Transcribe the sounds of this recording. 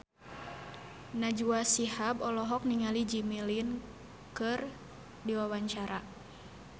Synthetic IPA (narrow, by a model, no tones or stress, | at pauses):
nad͡ʒuasihabɔlɔɦɔk̚niŋalid͡ʒimilin | kɨr | diwawaɲt͡ʃaɾa